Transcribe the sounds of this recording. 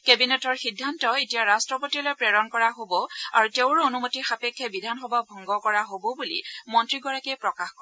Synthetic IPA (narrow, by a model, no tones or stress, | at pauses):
kebinetɔɹxidʱːantɔetijaɹastɹɔpotilɔjpɹɛɹɔnkɔɹaɦobɔa̰ɹuteʊɹonumotixapekʰːɛbidʱanxɔbabʱɔŋɡɔkɔɹaɦobɔbulḭmɔntɹiɡɔɹakɛjpɹɔkaxkɔ